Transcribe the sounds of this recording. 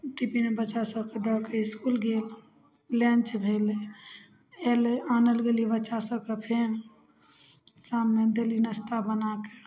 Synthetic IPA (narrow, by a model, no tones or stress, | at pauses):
ʈipimebəːʃasəb̚ked̪əkeiskulɡel | lɛ̃nt͡ʃbʱele | elanəlɡeliebəːt͡ʃasəb̚kəpʰen | samːed̪elinəst̪abənake